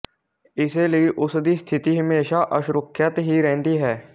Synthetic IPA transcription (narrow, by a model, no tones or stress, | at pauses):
ɪselieʔʊsd̪ist̪ʰɪt̪iɦəmeːʃaʔəʃɾʊkʰːjət̪ɦiɾɛ̃ːnd̪iɦɛː